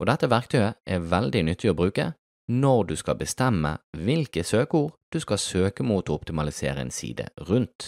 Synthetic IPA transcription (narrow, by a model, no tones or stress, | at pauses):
ʔod̪ɛt̪ːəʋæʁk̚t̪ʰœʏəʔɛʁʋɛld̪ɪnʏt̪ʰːɪoːbʁʉːkə̰ | nɔʁd̪ʉːskɑ̰bəst̪ɛmːə̰ʋɪlkəsøːkəuːʁd̪̥ʉskɑsøːkəmuːt̪oːɔpt̪ɪmɑlɪsḛːɾəɛ̰ːnsḭːd̪ə̰ʁʉnt̪